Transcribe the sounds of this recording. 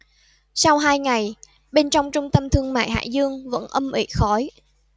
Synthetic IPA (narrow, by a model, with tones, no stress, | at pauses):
sa˧wɦaː˧jŋa˨˩j | ɓe˧nt͡ɕɔ˧wŋ͡mt͡ɕʊ˧ŋ͡mt̪ə˧mt̪ʰɨ˧əŋma̰ː˧˨jɦa̰ː˧˨zɨ˧əŋvə̰˧˥nʔə˧mʔḭ˧˩xɔ˨˦j